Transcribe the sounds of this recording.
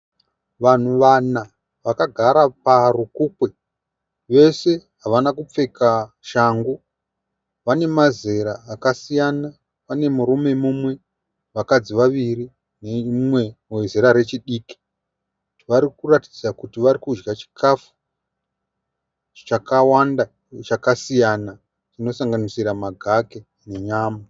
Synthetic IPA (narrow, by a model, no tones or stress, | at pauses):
ʋan̤uʋana | ʋakaɡʱaɾaparukuːkwe̞ | ʋe̞se̞ɦaʋanakup͡fe̞ka | ʃaŋɡu | ʋane̞maze̞ɾaːkasijana | ʋane̞muɾume̞mumwe̞ | ʋakad͡ziʋaʋiri | nemwe̞mezeɾaɾe̞t͡ʃiɗiːki̥ | ʋaɾikurati̥d͡zakutiʋaɾikud͡ʒɡat͡ʃi̥kʰafu̥ | t͡ʃakawanda | t͡ʃakasijana | t͡ʃino̞saŋɡanisiɾamaɡʱake̞ | ne̞ɲaːma